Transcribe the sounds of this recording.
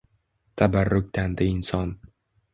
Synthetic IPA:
t̪ʰabarːʊk̚ʲt̪ʰand̪ɪɪnsɒn

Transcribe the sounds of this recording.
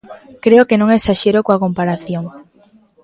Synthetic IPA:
kɾeokenõŋesaʃeɾokoakompaɾaθjoŋ

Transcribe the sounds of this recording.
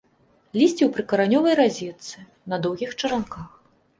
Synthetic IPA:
lʲisʲt͡sʲiwpɾɨkɐɾanʲɔvɐjrazʲɛt̪sɨ | nɐd̪ɔwɣʲixt͡ʂɐɾankax

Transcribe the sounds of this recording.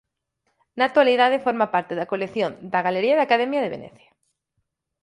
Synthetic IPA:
nat̪waliðaðefoɾmapaɾt̪eðakolekθjond̪aɣaleɾiaðakaðemjaðeβḛnḛθjḁ

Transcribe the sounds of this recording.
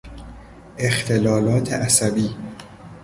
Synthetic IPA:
ʔe̞xt̪ʰe̞lɒːlɒːt̪ʰḛʔæsæbiː

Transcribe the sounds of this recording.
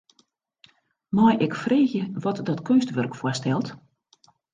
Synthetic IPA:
majʔɛkfreːxjəʋɔtdɔtkʰønstʋørkfwɔstɛlˠt

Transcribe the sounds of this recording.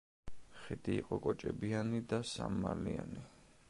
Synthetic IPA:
χid̪iːqʼɔkʼɔt͡ʃʼɛbianid̪asa̰mːalia̰ni

